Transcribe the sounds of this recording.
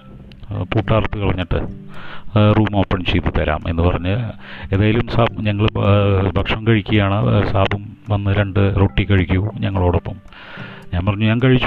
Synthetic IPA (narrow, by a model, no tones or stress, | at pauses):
puːʈːaːrɐt̪ːɨkiɭɐɲːiʈːɨ̰ | ruːmɐmɐpːɐɳmt͡ɕejt̪ːut̪ɐɾa̰ːmʔe̞̰nːɨpɐrɐɲːɨ | e̞ːðaːjilumsaːɲɐŋːɐɭbʱɐkʂɐmkɐɻikʲːuɣɐjaːɳɨsaːbʱɐm | ʋɐnːɨɾeɳɖɨroːʈːikʲːɐɻikʲːuɣɐɲɐŋːɐɭo̞ːɽo̞pːɐm | ɲaːnpɐrɐɲːuɲaːnkɐɻit͡ɕː